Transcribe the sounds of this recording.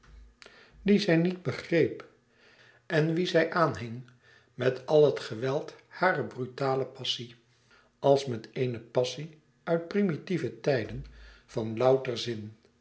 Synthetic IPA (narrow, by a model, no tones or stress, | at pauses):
ʋizɛjnid̚bəχrejp | ɛnʋizɛjʔaːnɦɪŋ | mɛtɑlˠɦətχəʋɛlˠthaːrəbrytaːləpɑsi | ɑlˠsmɛtejnəpɑsi | œɥt̚primitivətɛjdənv̥ɑnlʌwtərzɪn